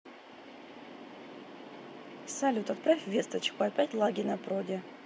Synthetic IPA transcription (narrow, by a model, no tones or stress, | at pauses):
salʲut̪at̪pɾafʲvʲest̪ət͡ɕkʊapʲætʲlˠaɡʲɪnɐpɾodʲe